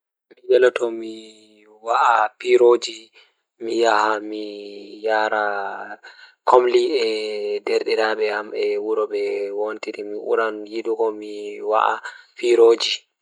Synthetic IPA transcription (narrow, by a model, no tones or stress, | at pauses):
mijɛlɔtɔmi | waʔapiɾod͡ʒi | mijahamijaɾa | kʰomliɛdeɾɗiɾaɓɛamɛwuɾɔɓɛwontiɾimiʔṵɾanjiɗukɔmiwa̰ʔa̰piɾoːd͡ʒi